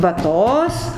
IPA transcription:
ʋɐˈtoːs

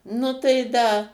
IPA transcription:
ˈnʊ tɐɪ ˈdɐ

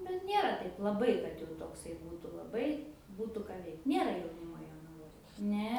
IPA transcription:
nʊ ˈnʲeːrɐ ˈtɐɪp lˠɐˈbɐɪ kɐt jɛʊ toːkˈsɐɪ ˈbuːtʊ lˠɐˈbɐɪ ˈbuːtʊ ˈkɑː ˈʋʲɛɪkt ˈnʲeːrɐ jɛʊˈnʲɪmoː joːnɐˈʋoːj nʲɛ

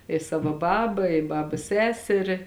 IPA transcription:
ɪ ˈsɑːʋoː ˈbɑːbɐ ɪ ˈbɑːbɐs ˈsʲæːsʲɛrʲɪ

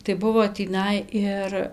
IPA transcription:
tɐɪ ˈbʊʋoː tʲiːˈnɐɪ ɪr

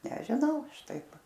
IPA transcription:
nʲɛʒʲɪˈnɐʊ ˈɐʃ ˈtɐɪp

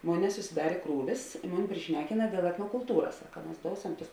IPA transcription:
ˈmoːn nʲɛsʊsʲɪˈdɑːrʲeː ˈkruːʋʲɪs ɪ ˈmʊnʲɪ pʲrʲɪˈʃʲnʲæːkʲɪnɐ dʲeːlˠ ɛtnoːkʊlˠˈtuːrɐs ˈsɑːkɐ mɐs ˈdoːʊsʲɛm tʊs

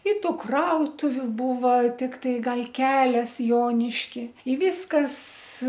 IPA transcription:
ɪ ˈtuː ˈkrɐʊtʊʋʲʊ ˈbuːʋɐ tʲɪkˈtɐɪ ˈɡɐlˠ ˈkʲæːlʲɛs ˈjoːnʲɪʃʲkʲɪ iː ˈʋʲiːskɐs

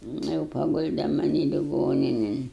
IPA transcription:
ˈnʊ jɛʊ pɐˈɡʊlʲdʲɛ mɐˈnʲiː lʲɪˈɡoːnʲɪnʲɪn

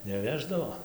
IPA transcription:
nʲɛˈʋʲæːʒdɐʋoː

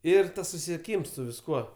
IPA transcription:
ˈɪr ˈtɐs sʊsʲɪsʲiɛˈkʲiːms sʊ ʋʲɪsˈkuɔ

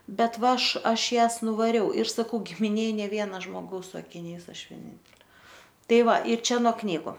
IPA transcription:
ˈbʲɛt ˈʋɐ ˈɐʃ ˈɐʃ ˈjæːs nʊʋɐˈrʲɛʊ ɪr sɐˈkɐʊ ɡʲɪmʲɪˈnʲeːj ˈnʲeː ˈʋʲiɛnɐ ʒmoːˈɡɐʊs sʊ ɐkʲɪˈnʲɛɪs ˈɐʃ ʋʲiɛˈnʲɪnʲtʲɛlʲeː ˈtɐɪ ˈʋɐ ɪr ˈt͡ʃʲɛ noː ˈknʲiːɡʊ

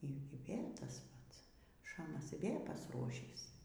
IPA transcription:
iː ˈiː ˈʋʲeːlʲ ˈtɐs ˈpɐts ˈʃɑːmɐs iː ˈʋʲeː pɐsˈruɔʃʲiːs

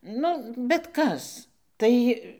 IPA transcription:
ˈnʊ bʲɛt ˈkɐs ˈtɐɪ

